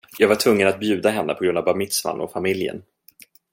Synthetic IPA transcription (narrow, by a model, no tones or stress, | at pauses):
jɑːɡvaʈʰvɵŋːənat̪̚bjʉ̟ːd̪aɦɛnːəpʰɔɡɾɵnd̪avbamɪt̪sva̰nʔɔ̰famɪljə̰n